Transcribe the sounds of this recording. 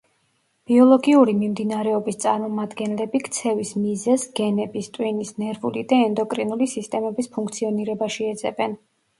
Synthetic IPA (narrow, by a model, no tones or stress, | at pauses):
b̥iɔlˠɔɡiuɾimimd̪inaɾɛɔbist̪sʼaɾmɔmad̪ɡɛnlɛbikʰt̪sʰɛvismizɛsɡɛnɛbist̪ʼwinisnɛɾvulid̪aɛnd̪ɔkʼɾinulisist̪ʼɛmɛbispʰuŋkʰt̪sʰiɔniɾɛbaʃiɛd̪zɛ̰bɛn